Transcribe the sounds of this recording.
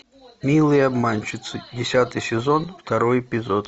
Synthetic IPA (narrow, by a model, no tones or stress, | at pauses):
mʲilˠɨjəɐbmanʲt͡ɕɪt̪sɨdʲɪsʲat̪ɨjsʲɪzo̞nft̪ɐɾojɪpʲɪzot̪